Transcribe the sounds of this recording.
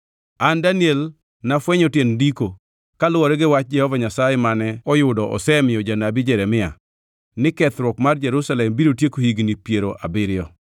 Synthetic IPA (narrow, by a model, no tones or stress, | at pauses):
andaniel | nafwɛɲɔtjendiko | kalʊwɔɾɛɡɪwat͡ʃ̚d͡ʒɛhɔvaɲasajɛmanɛɔjʊdɔʔɔ̰sɛmɪɔd͡ʒanabɪd͡ʒɛɾɛmɪa | nɪkɛt̪ɾwɔkmard͡ʒɛɾusalɛmbiɾotjekohiɡnipjeɾoʔa̰bɪɾɪjɔ